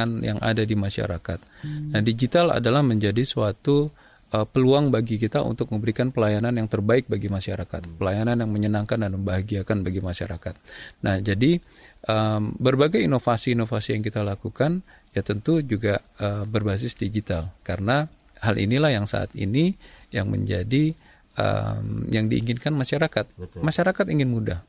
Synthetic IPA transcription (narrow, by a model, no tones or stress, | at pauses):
anja̰ŋʔa̰dadimaʃa̰ɾakat̪̚nahdid͡ʒit̪ala̰dalahməɲd͡ʒadisuat̪u | ʔəpəluaŋbaɡikit̪aṵnt̪ʊk̚məmbəɾikanpəlajananjaŋt̪ərbaɪk̚baɡimaʃaɾaka̰t̪̚pəlajananjaŋməɲənaŋkandanməmbaɦaɡiakanbaɡimaʃa̰ɾakat̪̚nahd͡ʒadiʔəmbərbaɡajinofasiːnofasijaŋk̬it̪alakukan | jat̪ənt̪ud͡ʒuɡaəbərbas̬ɪsdid͡ʒit̪alkarəna | halʔḭnilahjaŋsa̰a̰t̪ḭnijaŋmə̰ɲd͡ʒadi | ʔə̰mjaŋdiʔḭŋɪnkanmaʃaɾakat̪̚maʃaɾakat̪iŋɪnmudah